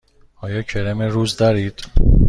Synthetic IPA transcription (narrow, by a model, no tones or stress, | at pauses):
ɒːjɒːcʰeɾemeɾuːzd̪ɒɾiːd̪̥